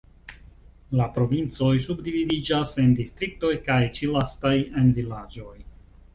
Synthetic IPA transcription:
lapɾo̞vint͡so̞js̬ubdividid͡ʒase̞ndistɾik̚to̞jkajt͡ʃilastaje̞nvilad͡ʒo̞j

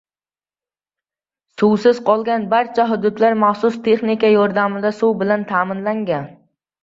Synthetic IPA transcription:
sʊwsɪz̥qʰɒlˠɡʲanbaɾt͡ʃʰaɦʊd̪ʊd̪laɾmaχsʊst̪ʰe̞χnɪkʲajɒɾd̪amɪd̪asʊwbɪlant̪ʰaːmɪnlaŋɡʲan

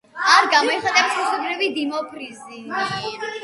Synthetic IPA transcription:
aɾɡamɔɛχat̪ʼɛpsusɔbɾivid̪imɔpʰɾizi

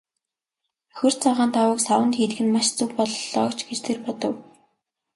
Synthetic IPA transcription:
xɵr̥t͡sɔʁaːnt̪ʰawə̆ksawə̆nt̪xiːt̪̆ɡɘ̆nmaʃt͡suwpɔɮɮɔːkt͡ɕɡet͡ɕt̪ʰerpɔt̪ɞ̆w

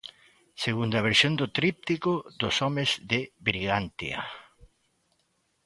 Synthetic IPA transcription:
seɣund̪ɐβ̞eɾsjond̪ʊt̪ɾip̚t̪ikoðʊsɔmezðɪβɾiɣant̪ḭa̰

